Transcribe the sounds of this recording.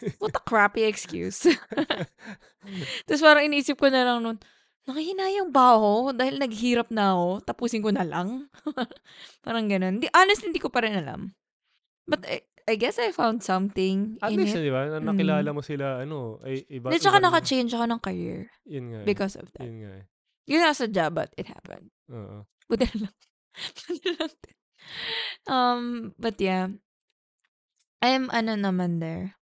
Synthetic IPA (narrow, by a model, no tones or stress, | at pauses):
wɐt̪ɐ̥kɹapiɛkskjṵs | t̪ɐspaːɾɐŋɪniʔiːsɪp̚konɐlɐŋnonː | ɐkɐhɪnaːjɐŋbaːhod̪aːhɪlnɐɡ̚hiːɾɐp̚nɐːko̞t̪ɐpuːsɪnkonɐlɐŋ | paːɾɐŋɡɐnond̪iʔanɛst̪ihɪnd̪iːkopɐɾɪnɐla̰m | bɐt̪ɛ̰ | ɐjɡɛsɐjfãwnd̪̚sɐ̃mθɪ̃ŋɐtɪ̃nlisd̪ɪbanɐɐkɪlaːlɐmosɪlaʔɐnoʔɐ̰jʔɪbaɛt͡ʃɐkanɐkɐt͡ʃejnd͡ʒɐkonɐŋkɐɹḭɹjʊnŋabɪkɔsɔ̰vd̪ɐ̰ŋa̰ | jʊnasɐd͡ʒabɐ̰t̪ɪt̪̚ha̰pɛ̰̃nd̪̚ʔo̰ːʔo̰ | bʊd̪ɪnɐlɐm | bʊd̪ɪlɐŋt̪ | ʔɐmbɐt̪ja | ʔɐjmʔɐnonɐmand̪ɛɹ